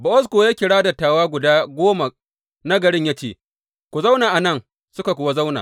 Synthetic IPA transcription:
bɐ˨ʔɔ˦s̬koː˨jaː˦kʲɪ˨ɽaː˦da˨tːaː˨waː˦ɡʷʊ˨daː˦ɡʷoː˦ma˨ | na˦ɡɐ˨ɽɪ˦ɲja˦t͡ʃeː˨ | kʷu˨za˦wnaː˨ʔa˨nɐ˦ŋ | sʊ˦ka˨kʷʊ˨wa˦za˦wna̰˨

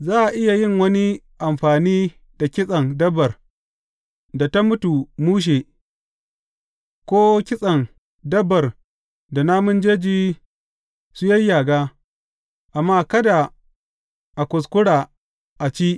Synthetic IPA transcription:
zaː˦ʔa˨ʔɪ˦ja˨jɪ˦ŋwɐ˦ni˦ | ʔa˨mɸaː˨niː˦ | d̥a˨kʲɪ˦sʼɐ˨ŋdɐ˦bːɐ˨r | da˨ta˦mʊ˦tu˨muː˦ʃ̬eː˨ | kʷoː˦kʲɪ˦sʼɐ˨ŋ | dɐ˦bːɐ˨r | da˨na˦mʊ˦nd͡ʒeː˦d͡ʒiː˦ | su˦jɐ˦jːaː˨ɡaː˦ | ʔa˨mːaː˦kɐ˦da˨ | ʔa˨kʷʊ˨s̬kʷʊ˦ɽaː˨ | ʔa˨t͡ʃiː˦ʔ

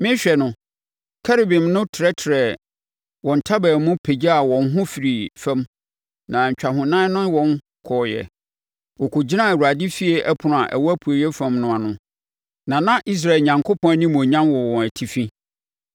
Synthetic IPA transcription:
mɪ̃˦ɕᶣɛ˨nʊ̃˨ | kʰɛ˦ɾe˨bɪ̃˨mnʊ̃˦tʰɪ˨ɾɛ˦tʰɪ˨ɾɛ˨ | wɔ̃˨n̩˨tʰa˦bæː˨mʊ̃˦pʰe˨d͡ʑa˦a˨wɔ̃˨nɦʊ̃˦fi˨ɾi˨fɛ̃˦m | nã˨ɲ̩˨t͡ɕᶣa˨ɦʊ̃˨nã˦nʊ̃˦nwɔ̃˨n | kʰɔː˨jɛ̰˨ | wɔ˨kʰo˨d͡ʑɪ˦nã˦˨wa˨di˦fi˦e˦ʔæ˦pʰʊ˨nʊ̃˨a˨ʔæ̰˨wɔ˦æ˦pʰu˨o˨jɛ˦fæ̃˦mnʊ̃˦a˨nʊ̃˦ | nã˨nã˦ʔi˦s̬ɾa˦˨ɲã˨ŋkʰo˦pʰɔ̃˦nĩ˦mũ˨ɲã˦mwɔ˨wɔ̃˨næ˨tʰi˨fĩ˦

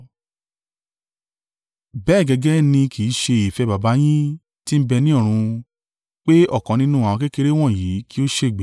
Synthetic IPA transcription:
bɛː˦˨ɡɛ˧ɡɛ˦nĩ˧kʰi˨˦ʃe˧i˨fɛ˧ba˨ba˨˦j̃ĩ˦ | ti˦m̩˦bɛ˧nĩ˦ɔ˦˨ɾ̃ũ˧ | k͡pe˦ɔ˦˨kã˨˦nĩ˦nũ˦ã˨ɔ̃˧ke˦ke˧ɾe˦w̃ɔ̃˦˨ji˨˦ki˦o˦ʃe˧˨ɡ͡bɛ˨

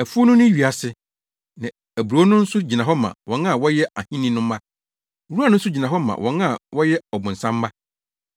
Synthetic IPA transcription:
æ˨fu˦ɔ˦nʊ̃˦nʊ̃˦ɥi˨a˨sɪ˦ | nã˨ | æ˨bu˨ɾo˨˦nʊ̃˦n̩˦sʊ˦d͡ʑi˨nã˨ɦɔ˦mã̰˨wʔɔ̃˨nã˦˨wɔ˦jɛ˦ʔa˨hĩ˦nĩ˦nʊ̃˦mː˦ã˦˨˦ | ɾu˦a˦˨nʊ̃˦n̩˦s̬ʊ˦d͡ʑi˨nã˨ɦɔ˦mã̰˨wʔɔ̰̃˨nã˦˨wɔ˦jɛ˦ɔ˨bʊ̃˨n̩˨sã˦mː˦a˦

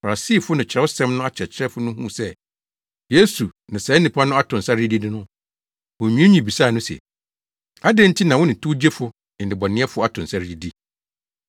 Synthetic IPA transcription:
fa˨ɾa˨siː˦˨fʊ˦nɪ̃˨t͡ɕʰɪ˨ɛ˦ʊ˦sɛ̃˦mnʊ̃˦a˦˨t͡ɕʰɛ˨t͡ɕʰɪ˦ɾɛ˦fʊ˦nʊ̃˦ɦṵ̃˦˨sɛ˦ | je˦su˨nã˨sɛ˨˦nĩ˨pʰa˦nʊ̃˦a˦tʰʊ̃˨n̩˨sa˦ɾi˦di˦dɪ˦nʊ̃˦ | wɔ̃˨ɲᶣũ˦ɲĩ˨bi˨saː˦˨nʊ̃˦sɛ̰˨ | a˦dẽ˦n̩˦tʰi˦nã˨wʊ̃˦nɪ̃˨tʰu˦d͡ʑe˦fʊ˦ | ɪ˨dɪ˨bɔ˨nɪ̃˦ɛ˦fʊ˦ɔ˦a˦tʰʊ̃˨n̩˨sa˦ɾi˦di˦

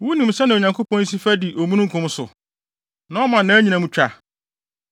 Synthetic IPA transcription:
wu˦nĩ˨m̩˨sɛ˦nã˨ɲã˨ŋkʰo˦pɔ̃˦n̩˦s̬i˦fæ˦di˨ʔo˨mũ˦nũ˦ŋ̩˦kʰʊ̃˦m˦sʊ̰˨ | nã˨˦ɔ˦mã˨n˨nã˨˦ɲĩ˨nã˨mũ˦t͡ɕᶣa̰˦˨

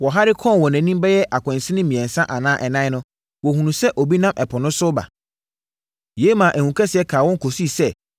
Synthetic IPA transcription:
wɔ˨ɦa˦ɾɪ˦kʰɔ̃˦˨wɔ˨næ̃˨˦nĩ˦m˦bɛ˦jɛ˦ʔa˨kʰʷɛ̃˨n˨sɪ˦nɪ̃˦mĩ˨ɛ̃˨n˨sã˦ʔa˨nãː˦ʔɛ˨nã˦nʊ̃˦ | wɔ˨hũ˨nũ˨sɛ˦ʔɔ˨bi˦nã˦mʔɛ˨pʰɔ˨nʊ̃˦sʊ˦ba̰˨ | je˨˦mãː˨ʔæ˨hũ˨kʰɛ˦sɪ˨ɛ˦kʰaː˨wɔ̃˦ŋ˦kʰo˨si˦sɛ˦˨

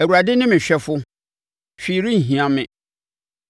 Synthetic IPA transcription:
æ˨wu˨ɾa˨dɪ˦nɪ̃˦mɪ̃˨ɕᶣɛ˦fʊ˦ | ɕᶣiː˨ɾĩ˦˨ɦĩ˨ã˨mɪ̃˨

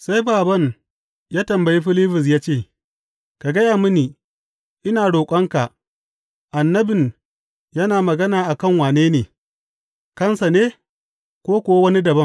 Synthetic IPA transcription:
sa˦jbaː˨bɐ˦ŋ | jaː˦tɐ˨mbɐ˨ji˦ɸɪ˦liː˦ɸɪ˨s̬jaː˦t͡ʃeː˦˨ | ka˨ɡɐ˦jaː˨mʊ˦niː˨ | ʔɪ˦naː˨ɽoː˨kʷʼɐ˦ŋka˨ʔ | ʔa˨nːɐ˦bɪ˨n | jɐ˦naː˨mɐ˨ɡɐ˦naː˨ʔa˨kɐ˦˨ŋwaː˨neː˦neː˨ | kɐ˦nsa˨neː˦ | kʷoː˦kʷo˨wa˦wɐ˦ni˦dɐ˨bɐ˦m

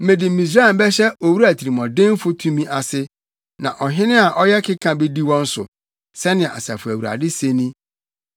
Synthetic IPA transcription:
mẽ˨dɪ˨mĩ˨s̬a˦˨m̩˦bɛ˦ɕɛ˦o˨wu˦ɾæ˨tʰi˨ɾi˨mɔ̃˨dɪ̃˦m˦fʊ˦tʰũ˦mĩ˦ʔa˨sɪ˦ | nã˨ʔɔ˨ɦɪ̃˦nɪ̃˦a˨ʔɔ˦jɛ˦kʰɪ˦kʰã˨be˦di˦wɔ̃˦n̩˦sʊ̰˨ | sɛ˦nɪ̃˨a̰˨sa˨fʊ˨æ˨wu˨ɾa̰˨dɪ˦se˦nĩ˦

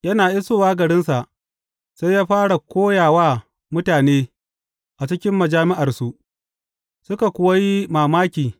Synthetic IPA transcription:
jɐ˦naː˨ʔɪ˦soː˦waː˦ɡɐ˨ɽɪ˦nsa˨ʔ | sa˦jːaː˦ɸaː˦ɽa˨kʷoː˦jaː˨waː˦ | mʊ˦taː˨neː˦ | ʔa˨t͡ʃɪ˦kʲɪ˦mːɐ˨d͡ʒaː˦mɪ˦ʔa˨rsu˦ʔ | sʊ˦ka˨kʷʊ˦wa˦ji˦maː˨maː˦kʲiː˨

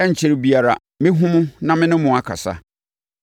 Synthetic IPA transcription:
ɛ˦ɲ̩˨t͡ɕʰɪ˦ɾbi˦a˨ɾa̰˨ | mɪ̃˦ɦʊ̃˦mʊ̃˦nã˦mɪ̃˦nʊ̃˦mʊ̃˨a˦kʰa̰˨sa̰˦

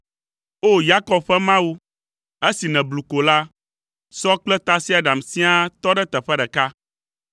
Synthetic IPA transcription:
o˦ja˦kɔ˨bɸɛ˦mã˦wu˦ | ɛ˦si˨nɛ̃˨blu˨ko˨la˦ | sɔ˦k͡plɛ˦t̪a˦si˦a˨ɖa˨msĩ˦a˦t̪ɔ˦ɖɛ˦t̪ɛ˨ɸɛ˦ɖɛ˨ka˦

